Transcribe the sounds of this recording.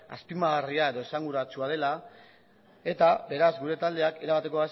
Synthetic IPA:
a̰spimaɣariae̞ðo̞esaŋɡuɾat͡suað̞e̞la | e̞t̪abe̞ɾazɡuɾe̞t̪ald̪e̞ake̞ɾaβ̞at̪e̞ko̞as

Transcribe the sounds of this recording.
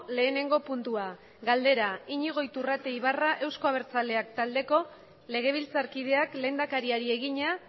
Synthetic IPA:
le̞ːne̞ŋɡo̞punt̪ua | ɡald̪e̞ɾaiɲiɣ̞o̞jt̪urat̪e̞iβaraʔe̞wsko̞aβ̞e̞ɾt͡sale̞ak̚t̪ald̪e̞ko̞ | le̞ɣ̞e̞β̞ilt͡saɾkið̞e̞akle̞ːnd̪akaɾiaɾie̞ɣ̞iɲa

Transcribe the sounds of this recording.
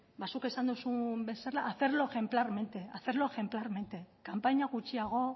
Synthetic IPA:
basuke̞sand̪usumbe̞seɾlaʔːθe̞ɾlo̞exe̞mplaɾme̞nt̪e̞aθe̞ɾlo̞exe̞mplaɾme̞nt̪e̞kampaɲaɣ̞ut͡ʃiaɣ̞o̞

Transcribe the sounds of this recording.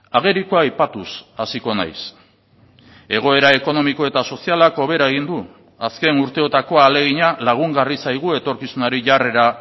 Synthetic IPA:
aɣe̞ɾikoajpat̪usasiko̞na̰js | e̞ɣ̞o̞e̞ɾae̞ko̞no̞miko̞e̞t̪aso̞sialako̞β̞e̞ɾae̞ɣ̞ind̪u | aske̞nuɾt̪e̞o̞t̪ako̞ale̞ɣ̞iɲalaɣ̞uŋɡarisajɣ̞ue̞t̪o̞ɾkisunaɾiʝare̞ɾa

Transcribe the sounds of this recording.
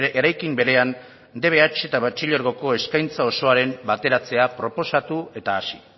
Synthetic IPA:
ʔeɾajkimbe̞ɾe̞an | d̪e̞β̞e̞at͡ʃe̞t̪aβat͡ʃiʎoɾɣo̞ko̞e̞skajnt͡sao̞so̞aɾe̞mbat̪e̞ɾat͡se̞apɾo̞po̞sat̪ue̞t̪aːsi̥

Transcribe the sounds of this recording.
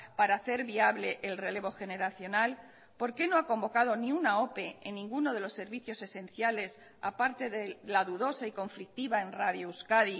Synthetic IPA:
paɾaːθe̞ɾβiaβle̞ʔelre̞le̞β̞o̞xe̞ne̞ɾaθjo̞nal | po̞ɾke̞no̞ako̞mbo̞kað̞o̞niunao̞pe̞ḛnːĩŋɡuno̞ð̞e̞lo̞sːe̞ɾβiθjo̞se̞se̞n̟θjale̞s | a̰paɾt̪e̞ðelaðuðo̞saiko̞ɱflik̚t̪iβae̞nraðjouskaði

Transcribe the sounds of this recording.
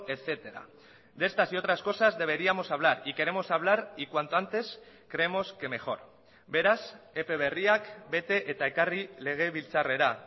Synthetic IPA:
et͡se̞t̪e̞ɾa̰ | d̪e̞st̪asio̞t̪ɾasko̞sazðe̞β̞e̞ɾiamo̞saβ̞laɾike̞ɾe̞mo̞saβ̞laɾikwant̪oant̪e̞s | kɾe̞emo̞ske̞me̞xo̞ɾ | be̞ɾase̞pe̞β̞e̞riakbe̞t̪e̞ʔet̪aekarile̞ɣ̞eβilt͡sare̞ɾa

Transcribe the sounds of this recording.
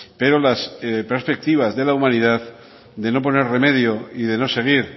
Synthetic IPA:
pe̞ɾo̞laspeɾspe̞k̚t̪iβ̞azðe̞laumãniðað | d̪e̞no̞p̬o̞ne̞ɾre̞me̞ð̞joiðe̞no̞se̞ɣ̞iɾ

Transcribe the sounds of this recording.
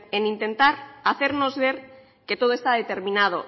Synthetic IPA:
enint̪e̞nt̪aɾaθe̞ɾno̞zβe̞ɾ | ke̞t̪o̞ð̞oe̞st̪að̞et̪e̞ɾmĩnað̞o̰

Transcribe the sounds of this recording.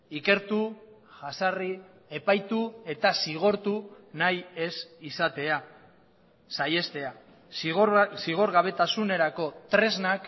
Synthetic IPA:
ike̞ɾt̪u | ʝasari | e̞pajt̪ue̞t̪asiɣ̞o̞ɾt̪u | naje̞sisat̪e̞a | saje̞st̪e̞a | siɣ̞o̞ɾɣaβ̞e̞t̪asune̞ɾako̞t̪ɾe̞znak

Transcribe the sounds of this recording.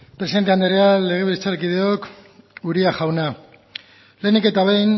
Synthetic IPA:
pɾesiðent̪eand̪eɾeale̞ɣ̞e̞βilt͡saɾkiðeokuɾiaxawna | le̞nike̞t̪aβejn

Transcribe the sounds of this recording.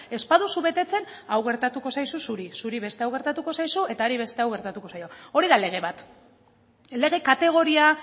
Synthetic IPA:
e̞spaðusuβe̞t̪e̞t͡se̞n | awɣe̞ɾt̪at̪uko̞sajsusuɾisuɾiβe̞st̪e̞awɣ̞e̞ɾt̪at̪uko̞sajsue̞t̪aoɾiβ̞e̞st̪e̞awɣe̞ɾt̪at̪uko̞sajo̞o̞ɾiðale̞ɣ̞e̞βat̪ | le̞ɣ̞e̞kat̪e̞ɣ̞o̞ɾia

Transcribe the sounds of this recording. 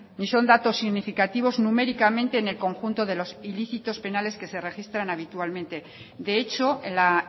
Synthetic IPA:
niso̞nd̪at̪o̞sːiɣnifikat̪iβ̞o̞znume̞ɾikamẽnt̪e̞ːne̞lko̞ŋxunt̪o̞ðe̞lo̞siliθit̪o̞spe̞nale̞ske̞se̞re̞xist̪ɾanaβ̞it̪ualmẽ̞nt̪e̞ | d̪e̞et͡ʃo̞la

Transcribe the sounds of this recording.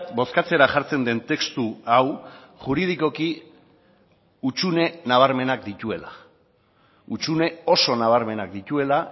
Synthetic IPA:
t̪bo̞skat͡se̞ɾaʝaɾt͡se̞nd̪e̞nt̪e̞kst̪uaw | ʝuɾið̞iko̞ki | ut͡ʃune̞naβ̞aɾme̞nakd̪it̪ue̞la | ut͡ʃune̞o̞so̞naβ̞aɾme̞nak̚d̪it̪ue̞la

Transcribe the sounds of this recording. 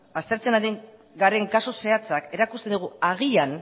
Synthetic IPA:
ast̪e̞ɾt͡se̞naɾiŋ | ɡaɾe̞ŋkaso̞se̞at͡sake̞ɾakust̪end̪uɣ̞uaɣ̞ian

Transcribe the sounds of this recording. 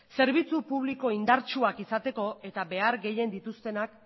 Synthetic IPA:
se̞ɾβ̞it͡supuβ̞liko̞ind̪aɾt͡ʃuakisat̪e̞ko̞e̞t̪aβe̞aɾɡe̞je̞nd̪it̪ust̪e̞nak̚

